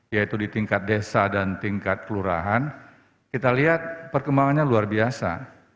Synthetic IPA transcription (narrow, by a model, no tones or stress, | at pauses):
jait̪udit̪iŋkat̪̚desadant̪iŋkat̪̚kəluɾa̰ɦan | kit̪aliɦat̪̚pərkəmbaŋanɲaluarbiasa̰